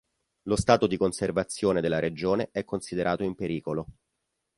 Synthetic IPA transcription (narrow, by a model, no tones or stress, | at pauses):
lost̪aːt̪od̪ikonservat̪sːjoːned̪elːaɾed͡ʒoːneʔɛkːonsid̪eɾʔaːt̪oimpeɾiːkolo